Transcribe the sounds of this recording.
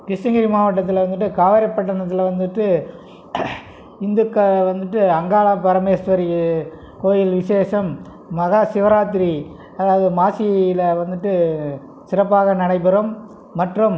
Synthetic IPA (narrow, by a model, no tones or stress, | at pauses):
kɪsɐŋɡɪɾimaːʋɐʈːɐt̪̬ːɪlʋɐnd̪ɯʈ̬ːɯkaːʋɐɾɐpːɐʈ̬ːɐɳɐt̪ːɪlʋɐnd̪ɯʈːɯ | ɪnd̪ɯkːɐʋɐnd̪ɯʈːɯɐŋɡaːɭapɐɾɐmeːsʋɐɾi | koːjɪlʋɪʂeːʂɐmː | ɐɣaːsɪʋɐɾaːt̪ːɪɾi | ɐðaːʋɐðɯmaːsɪjɐjɪlɐʋɐnd̪ɯʈːɯ | sɪrɐpːaːɣɐnɪɳɐɪpːɐɾɐmː | ɐʈrɯm